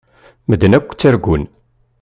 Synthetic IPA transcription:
məd̪nækʷːt͡sːæɾɡʷʊn

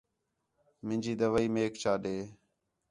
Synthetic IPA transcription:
mɪ̃nd͡ʒiːd̪əʋaːiːmeːkt͡ʃʰaːɗeː

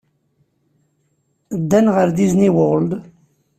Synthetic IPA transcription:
d̪ːænʁəɾd̪izniwʊld̪

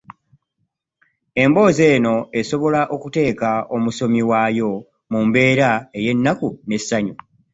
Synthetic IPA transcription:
e̞mbo̞ːze̞ːno̞e̞so̞βo̞laʔo̞kute̞ːkao̞muso̞miwaːjo̞ | mumbe̞ːɾae̞je̞nːakune̞sːaɲu

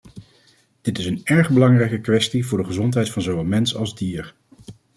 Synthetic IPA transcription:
d̥ɪtɪsənɛɹχbəlɑŋrɛjkəkʋɛstivʊːɹdəχəzɔntɦɛjtfɑnzowʋɛlˠmɛnsɑlˠzdiːɹ

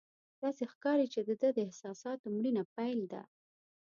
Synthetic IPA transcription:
d̪̥ɑsexkɑɾit͡ʃed̪əd̪əd̪əɪhsɑsɑt̪omɽinapajld̪a̰

